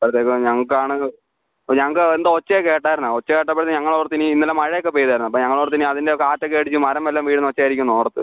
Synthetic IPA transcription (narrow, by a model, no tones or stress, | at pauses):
ɐpɐɾɐt̪ːeːkɐmɲɐŋːɐɭkaːɳɨ | ɲɐŋːɐɭkɨend̪ɐot͡ɕːɐjeke̞ːʈːaːjɾunːaot͡ɕːɐkeːʈːɐpːɐɾɐt̪ːɨɲɐŋːɐɭoːrt̪iniinːɐlːɐmɐɻɐjokːepoːjðaːjɾunːɐpːoɲɐŋːɐɭoːɾt̪iniɐðinde̞okːaːtːɨkeːɽit͡ɕːɨmɐɾɐmːelːɐmʋiːɽɨnot͡ɕːaːjiɾikʲːumnoːrɐt̪ːɨ̰